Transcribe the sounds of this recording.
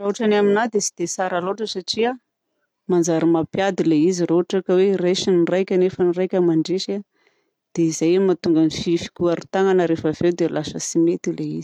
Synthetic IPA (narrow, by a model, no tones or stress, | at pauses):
roaʈ͡ʂanaminad̪esi̥d̪̥esaɾaloʈ͡ʂəsaʈ͡ʂia | mand͡ʒaɾimapjad̪ileiziroɦaʈ͡ʂakawereʃinirajkʲanefənirajkʲəmaɳɖ͡ʐeʃa | d̪̥eizajmat̪uŋɡanififi̥kʲuaɾit̪aŋanəɾefav̥ewd̪elasəsimet̪ileizi̥